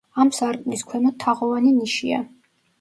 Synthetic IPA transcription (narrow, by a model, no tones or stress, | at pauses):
amsaɾkʼniskʰwɛmɔt̪ʰːaʁɔvaniniʃia̰